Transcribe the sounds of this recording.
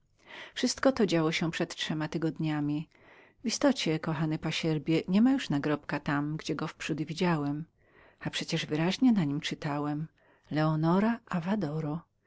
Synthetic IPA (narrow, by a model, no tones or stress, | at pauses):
fʂɘst̪kɔt̪ɔd͡ʑawɔɕɛpʂɛt̪tʂɛmat̪ɘɡɔd̪ɲamʲi | vist̪ɔt͡ɕɛkɔxanɘpaɕɛɾbʲjɛɲɛmajuʂnaɡɾɔpkat̪amɡd͡ʑɛɡɔfpʂud̪vʲid͡ʑawɛm | apʂɛt͡ɕɛʐvɘɾaʑɲɛnaɲimt͡ʂɘt̪awɛm | lɛɔnɔɾaʔavad̪ɔɾɔ